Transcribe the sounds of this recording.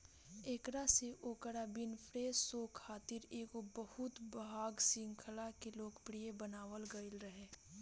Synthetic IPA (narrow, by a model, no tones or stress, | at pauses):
eːkɽaseʔoːkəɽabɪnpʰɾeːzsoːkʰaːt̪ɪɾeːkobəhʊt̪bɦaːɡsɪ̃ŋkʰəlakeloːkpɾijebənaːʋəlɡəɪlɾəɦeː